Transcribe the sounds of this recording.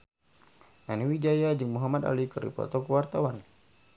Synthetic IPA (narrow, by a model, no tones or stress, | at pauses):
naniwid͡ʒajad͡ʒɨŋmuɦamad̪a̰likəɾḭpɔ̰t̪ɔkuwart̪awan